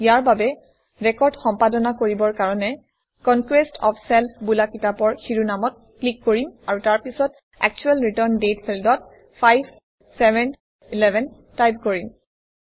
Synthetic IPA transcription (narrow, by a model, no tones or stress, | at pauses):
jaɹbabɛ | ɹɛkɔɹdxɔmpadɔnakoɹibɔɹkaɹɔnɛ | kɔnkwestʰɔ̰pʰsɛlpʰbulakitapɔɹxiɹunamɔt̚ | klikːoɹimaɹutaɹpisɔt | ɛ̰k̚t͡ʃuɛlɹitɔɹndetpʰɛldɔt̚ | pʰajb | sɛbɛn | ilɛbʱɛn | tajb̚koɹim